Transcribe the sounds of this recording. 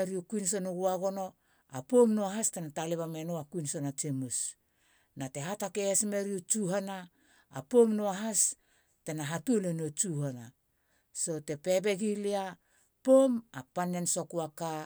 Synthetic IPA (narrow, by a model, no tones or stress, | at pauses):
eɾiukuinso̞nuɡuaɡo̞no̞ | a̰pomnoaɦastenataleβame̞noakuinso̞nat͡ʃemus | nate̞ɦatakeesme̞ɾiut͡ʃuɦana̰ː | po̞mnoaɦas | te̞naɦatuolenot͡ʃuhana | so̞te̞pe̞be̞ɡilia | pomapanenso̞kuaka